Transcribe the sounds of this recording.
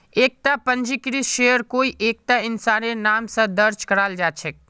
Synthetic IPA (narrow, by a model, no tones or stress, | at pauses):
eːk̚t̪apə̃nd͡ʒikɾisʃejəɾkoːiʔeːk̚t̪aɪnsaːnenaːmsə̃d̪əɾt͡ʃkəɾaːld͡ʒaːt͡ʃʰɛk